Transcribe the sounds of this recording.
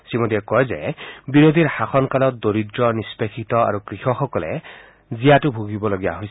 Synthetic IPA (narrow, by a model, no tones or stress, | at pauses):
simodiɛkɔjzɛ̰biɾod̪ʱiɹxaxɔnkalɔt̚d̪oɹidɹɔnispekʰitɔa̰ɹukɹixɔxɔkɔlɛ̰ | zijatʊbʱuɡibɔloɡija̰ɦojsɛ